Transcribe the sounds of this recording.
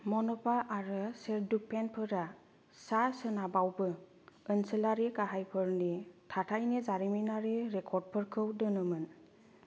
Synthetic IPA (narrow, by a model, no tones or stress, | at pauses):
mɔnɔpaʔaɹɯseɾduk̚pʰɛnpʰɯɾa | sasɯnabawbɯ | ənsəlaɾikaɦajpʰɯɹnitʰatʰajnezaɾiminaɾiɹɛkʰɔɾd̚pʰɯɹkʰɯwdɯnɯmɯn